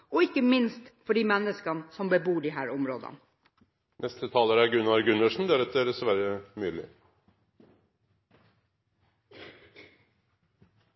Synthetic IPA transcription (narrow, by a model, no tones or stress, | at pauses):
ɔɪkːəmɪnst̪fɔɖiːmɛnːəskɑnsɔmbəbuːɖiɦæːɾʊmɾo̰ːd̪ɑ̰n | nʔɛst̪ət̪ʰɑːləɾæɾɡʉnːɑɾɡʉnəʂɳ̩d̪æɾɛt̪əɾɛsʋæɾəmyːlɪ̰